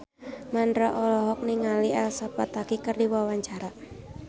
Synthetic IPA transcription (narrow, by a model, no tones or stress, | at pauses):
mandɾaʔɔlɔɦɔk̚niŋalialsapat̪akikərdiwawaɲt͡ʃaɾa